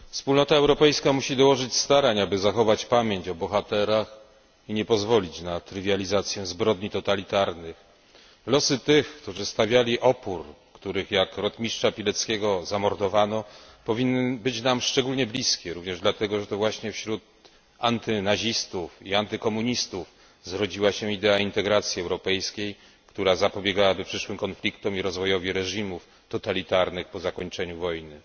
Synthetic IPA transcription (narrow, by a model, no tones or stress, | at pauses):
fspulnɔt̪aɛwɾɔpɛjskamuɕid̪ɔwɔʐɘt͡ɕst̪aɾaɲabɘzaxɔvat͡ɕpamʲjeɲt͡ɕɔbɔxat̪ɛɾax | iɲɛpɔzvɔlʲit͡ɕnat̪ɾɘvʲjalʲizat̪sʲjɛzbɾɔd̪ɲit̪ɔt̪alʲit̪aɾnɘx | lɔsɘt̪ɘxkt̪uʐɘst̪avʲjalʲiʔɔpuɾkt̪uɾɘxjakɾɔt̪mʲiʂt͡ʂapʲilɛt̪skʲɛɡɔzamɔɾd̪ɔvanɔpɔvʲinːɘbɘt͡ɕnamʂt͡ʂɛɡulɲɛblʲiskʲɛɾuvɲɛʐd̪lat̪ɛɡɔʐɛt̪ɔvwaɕɲɛfɕɾut̪̚ | ant̪ɘnaʑist̪ufiant̪ɘkɔmuɲist̪uf | zɾɔd͡ʑiwaɕɛ̃id̪ɛaint̪ɛɡɾat̪sʲjiɛwɾɔpɛjskʲej | kt̪uɾazapɔbʲjɛɡawabɘpʂɘʂwɘmkɔnflʲikt̪ɔmiɾɔzvɔjɔvʲiɾɛʐimuf | t̪ɔt̪alʲit̪aɾnɘxpɔzakɔɲt͡ʂɛɲuvɔjnɘ